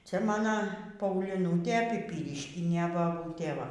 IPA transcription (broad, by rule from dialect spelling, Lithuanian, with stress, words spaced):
ˈt͡sʲɛ mɐˈnɐ pɐʊˈlʲiːnʊtʲeː pʲiːˈpʲiːrʲɪʃʲkʲɪnʲeː bɐˈbuːtʲeː ˈʋɐ